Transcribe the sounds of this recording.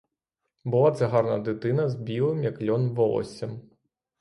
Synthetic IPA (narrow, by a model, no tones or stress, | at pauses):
bʊlˠɑt̪sɛɦɑrnɐ̰d̪ɪt̪ɪnɐzbʲilˠɪmjɐklʲɔnʋɔlˠɔ̰sʲɐm